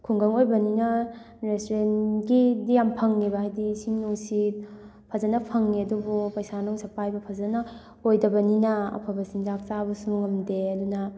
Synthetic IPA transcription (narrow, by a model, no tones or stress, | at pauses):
kʰuŋɡɐŋojbɐninɐ | ɾestɾenɡidijampʰɐŋːibaɦajdisiŋnuŋsit̚ | pʰɐzɐnɐpʰɐŋːiɐdubupɐjsanɔŋsɐpajbɐpʰɐzɐnɐ | ojdɐbɐninɐɐ̰pʰɐbɐsiŋzak̚t͡ʃabɐsuŋɐmdeɐdunɐ